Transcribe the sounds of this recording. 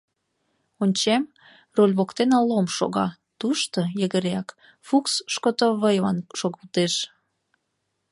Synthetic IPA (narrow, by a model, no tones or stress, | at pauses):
onʲt͡ɕem | rolʲβokt̪enɑlːomʃo̰ɣɑ | t̪uʃt̪ojəɣəɾeɑk | fuksʃkot̪oβəjɑnʃoɣəlt̪eʃ